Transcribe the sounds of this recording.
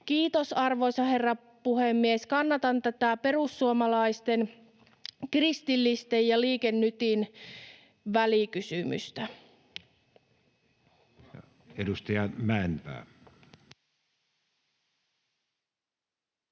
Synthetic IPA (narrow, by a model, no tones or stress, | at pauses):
kiːt̪osɑrʋo̞jsɑhe̞rːɑ | puhemːieskɑnːɑt̪ɑnt̪æt̪æpe̞rusːuomɑlɑist̪en | krist̪ilːist̪ejjɑliːkenːyt̪in | ʋælikysymy̰st̪æ | jɑ | edust̪ɑjɑmæenpæ̰ː